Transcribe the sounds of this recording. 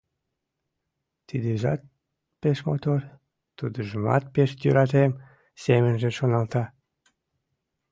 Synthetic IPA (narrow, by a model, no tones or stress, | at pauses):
t̪id̪eʒɑ̰t̪̚ | peʃmo̰t̪or | t̪ud̪əʒəmɑ̰t̪̚peʃt̪yɾɑt̪em | semənʒĕʃonɑlt̪ɑ